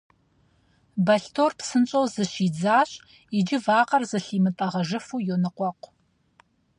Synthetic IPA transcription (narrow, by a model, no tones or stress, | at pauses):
bɐɬtʰoːrpsɨnt͡ʃʼowzɨɕiːd͡zaːɕʼ | id͡ʒɪvaːqɐrzɨɬiːmɨtʼɐʁɐʒɨfuːjonɨqʷɔqʷ